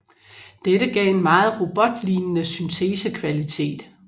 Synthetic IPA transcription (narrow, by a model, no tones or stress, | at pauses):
d̥eɾəɡ̥ɛ̰ːe̝nmɑ̈ːð̞̩ˠʁo̝b̥ɒ̽d̥linənəsynt͡sʰe̝ːsəkʰʋælit͡sʰe̝̰ːd̥